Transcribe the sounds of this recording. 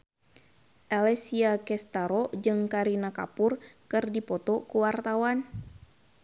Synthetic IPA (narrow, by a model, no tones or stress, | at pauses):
ʔalɛsiakɛst̪aɾɔd͡ʒɨŋkaɾinaka̰pʊrkɨrdipɔt̪ɔkuwart̪awan